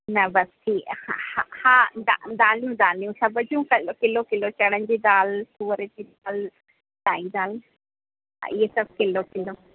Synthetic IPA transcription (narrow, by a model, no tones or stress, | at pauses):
nɐbɐst̪ʰiːhahahãːd̪ad̪aːlijũd̪aːlijũsɐbʱəd͡ʑũkɐkɪlokɪlot͡ɕɐɽənd͡ʑiːd̪aːlsuːəɾəd͡ʑiːd̪aːl | ɖaːĩd̪aːl | a̰ɪesɐb̚ʱkɪlokɪlo